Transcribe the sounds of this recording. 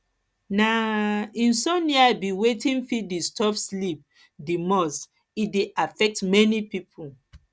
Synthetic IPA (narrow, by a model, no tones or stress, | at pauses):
naĩnsɔ̃niabiwetĩnfidistɔfslip̚ | dimɔs | ideʔafɛk̚tmɛnipipʰu